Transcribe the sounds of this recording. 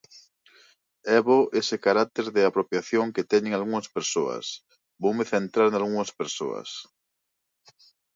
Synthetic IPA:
ɛβoʔesekaɾat̪eɾðeapɾopjaθjoŋket̪ɛɲẽŋalɣuŋɐspeɾsoɐ̰s | bowmeθent̪ɾaɾnalɣuŋɐspeɾso̰ɐ̰s

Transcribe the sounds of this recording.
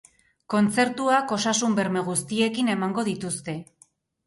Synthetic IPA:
ko̞nt͡se̞ɾt̪uako̞sasumbe̞ɾme̞ɣ̞ust̪ie̞kine̞maŋɡo̞ð̞it̪ust̪e̞

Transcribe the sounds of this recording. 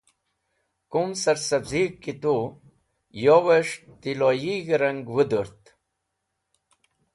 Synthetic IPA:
kumsəɾsɐzikkːit̪u | jowəʂt̪ilojiɡɾɐŋɡwəd̪əɾt̪

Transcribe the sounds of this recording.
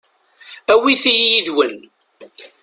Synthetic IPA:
æwiθijijiðwən

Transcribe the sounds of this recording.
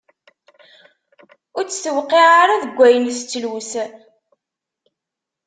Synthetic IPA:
ʊɾt͡sːsəwqiʁaɾaðəɡʷːæjənst͡sːəlwus

